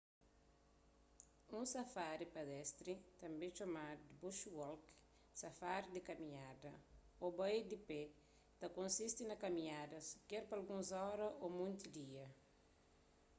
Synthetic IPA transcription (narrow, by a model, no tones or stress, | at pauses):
ũsɐfaɾipad̪ɛst̪ɾit̪ɐ̃mbet͡ʃomad̪buʃwɔlk | sɐfaɾd̪ikɐmĩɲad̪ɐ | obajd̪ipɛ | t̪ɐkõnsist̪inɐkɐmĩɲad̪ɐskɛɾpɐlɡũnzɔɾɐʔomũnt̪id̪iɐ